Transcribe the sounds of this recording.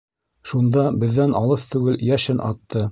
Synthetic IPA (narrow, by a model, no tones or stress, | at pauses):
ʃund̪ɑbɘ̆ðːænʔɑlˠɤθt̪ʉɡɘljæʃɘnʔɑ̰t̪ːɤ